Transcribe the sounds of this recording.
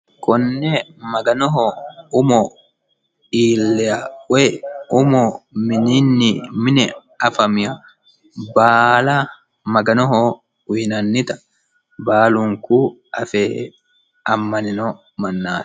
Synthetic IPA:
kɔnːɛmɐɡɐnɔɦɔʊmɔ | iːlːɛɐwɛʊmɔmɪnɪnːɪmɪnɛ | ɐfɐmɪjɐ | baːla | mɐɡɐnɔɦɔ | wiːnɐnːɪt̪ɐ̥ | baːluŋkuː | ʔɐfɛː | ɐmːɐnɪnɔ | mɐnːḁː

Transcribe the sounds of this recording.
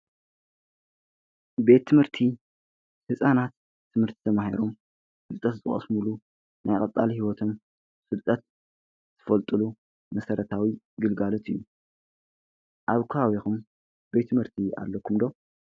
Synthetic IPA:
be̞t̪ʰːɨmhɨɾt̪ʰi | hɨsʼanat̪ʰː | ɨmhɨɾt̪ʰi̥t̪ʰɐmaha̰ɾom | fɨlt̪ʼɐt̪zɨt̪ʼɨχʼɐ̰smulu | najkʼɐt͡s̪ʼalihiwɔt̪ʰo̞m | fɨlt̪ʼːɐt̪ | z̥ʰɨ̥fɐlt̪ʼɨlu | mɐsɐɾɐt̪ʰawi | ɡɨlɡalot̪ʰɨjːu | ʔaβkʰuawixum | be̞t̪ʰːɨmhɨɾt̪ʰia̰lːɐkʰumd̪o̞

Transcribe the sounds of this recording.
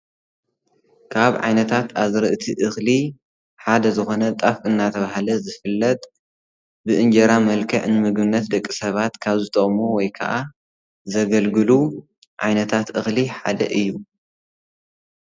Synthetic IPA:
kʰaβʕa̰jnɐt̪ʰat̪aβzɨɾɨʔɨt̪ʰiʔɨxli | ħad̪ɐzɨxo̞nɐt̪ʼafɨnːat̪ʰɐβahlɐzɨfɨlːɐt̪ʼ | bɨʔɨnd͡ʒɐɾamɐlkʰɐʕnɨmɨɡbɨnːɐt̪̚d̪ɐkʼːisɐβat̪kʰaβzɨt̪ʰʼɐχʼmowɔjkʰɐ̰ʔa | zɐɡɐlɡɨlu | ʕajnɐt̪ʰat̪ʔɨxliħa̰d̪ɐ̰ʔɨjːu

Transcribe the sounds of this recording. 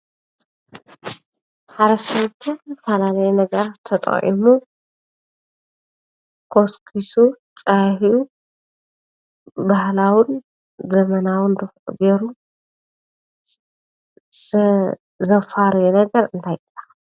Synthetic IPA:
ħaɾɐsɐwt̪ʰufɐlalɐjɛnɐɡɐɾatt̪ʰɐt̪ʼɐ̰χʔḭmu | kʰoskʰisu | t͡sʼɐjhiu | bahlawɨn | zɐmɐnawɨnd̪ɨxʔʼɡeɾu | zɐfaɾɐjunɐɡɐɾɨnt̪ʰajʔɐ

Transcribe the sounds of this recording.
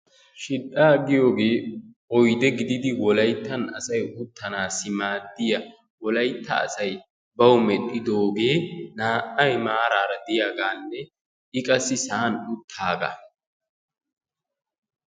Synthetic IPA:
ʃɪɗːaːɡɪjo̞ːɡe̞ːʔɔjd̪ɛɡɪd̪ɪd̪ɪwɔlɐjt̪ːɐnɐsɐjʊt̪ʰːɐnaːsɪmaːd̪ːɪjɐ | wɔlɐjt̪ːɐ̰ːsɐj | bɐwmɛɗːɪd̪o̞ːɡe̞ːnaːʔːɐjmaːɾaːɾɐd̪ɪjaːɡaːnːɛ | ʔɪkʼɐsɪsaːnʊt̪ʰːaːɡɐ̰

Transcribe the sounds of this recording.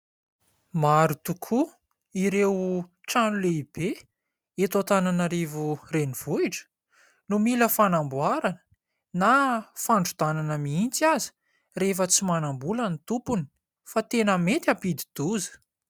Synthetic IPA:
maɾut̪ukʰu | iɾew | ʈ͡ʂanuleib̥e | et̪ot̪ananaɾevureniv̥uiʈ͡ʂə̥ | numiləfanambuaɾanə̥ | nafaɳɖ͡ʐud̪ananəmiint͡siazi̥ | refət͡simanambulənit̪upuni̥ | fat̪enəmet̪ʲapid̪i̥d̪̥uzə̥

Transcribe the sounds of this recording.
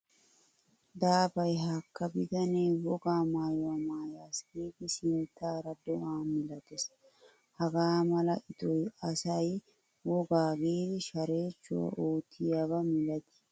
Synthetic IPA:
d̪aːbɐjɦakːɐbɪd̪ɐneːwɔɡaːmaːjɔwɐmaːjaːsɡiːd̪ɪsɪnt̪aːɾɐd̪ɔʔaːnmɪlɐt̪ɛs | hɐɡaːmɐlɐʔɪt̪ʼɔjɐsɐj | wɔɡaːɡiːd̪ɪʃɐɾe̞ːt͡ʃːʊwa̰ʔoːt̪ʰːɪjabɐmɪlɐt̪ɪ̥

